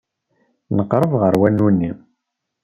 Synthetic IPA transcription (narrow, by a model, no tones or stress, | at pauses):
nəqːɾˤəvʁəɾwænːunːim